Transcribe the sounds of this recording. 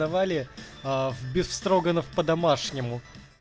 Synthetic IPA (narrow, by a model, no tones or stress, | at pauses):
ɐvalʲɪ | vbʲɪsfst̪ɾoɡənəfpəd̪ɐmaʂnʲɪmʊ